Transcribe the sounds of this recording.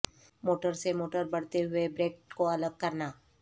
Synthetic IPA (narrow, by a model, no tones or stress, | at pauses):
moːʈəɾsemoːʈəɾbɐɽ̤t̪eɦʊebɾeːk̚ʈkoɐləɡ̚kɐɾnaː